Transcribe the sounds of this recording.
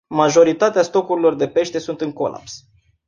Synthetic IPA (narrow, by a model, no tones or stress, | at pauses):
maʒo̞ɾit̪at̪east̪o̞kuɾilo̞rd̪e̞pe̞ʃt̪e̞sunt̪ɨŋko̞̰la̰ps